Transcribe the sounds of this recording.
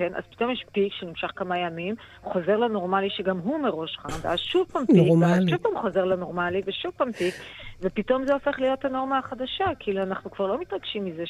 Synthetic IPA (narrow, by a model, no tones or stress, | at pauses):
kenʔa̰z̥pi̥to̞mjɛʃpikʃenimʃaχkamajamim | χo̞ze̞ʁlano̞ʁmaliʃeɡamɦumeʁo̞ʃχanda̰zʃuvpampʃuvpamχo̞ze̞ʁlano̞ʁmaliveʃuvpampikve̞pito̞mzeo̞fe̞χlijo̞thano̞ʁmaaχad̪aʃakiiluanaχnukv̥aʁlo̞mit̪ʁaɡʃimːize